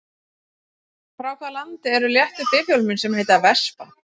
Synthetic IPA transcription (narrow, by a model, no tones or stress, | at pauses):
fɾawkʰvaðlant̪ɪɛɾʏljɛht̪ʏpɪvjɔwlmʏnsɛmhejt̪avɛspa